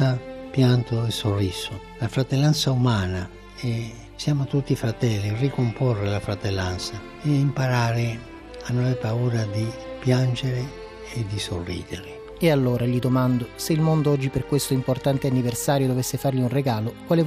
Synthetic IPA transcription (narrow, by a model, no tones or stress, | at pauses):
apjant̪ʊɛsorːisʊ | lafɾat̪elːansaumaːna | ɛ | sjaːmʊt̪ut̪ːifɾat̪ɛlːirikomporːɪlafɾat̪ɛlːant̪sa | ɛimpaɾaːɾɪ | anːɔɛpauːɾad̪ipjand͡ʒeɾɪ | ɛd̪isorːḭːd̪ɪɾɪ | ealːoːɾaʎid̪omand̪oseilmond̪oɔd͡ʒːiperkwest̪oimport̪ant̪eanːiversaːɾjod̪ovesːefarʎiunreɡaːlovalɛː